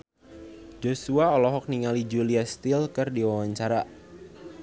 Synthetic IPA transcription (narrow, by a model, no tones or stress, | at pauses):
d͡ʒosuaɔlɔɦɔk̚niŋalid͡ʒuliast̪ɪlkɨrdiwawaɲt͡ʃaɾa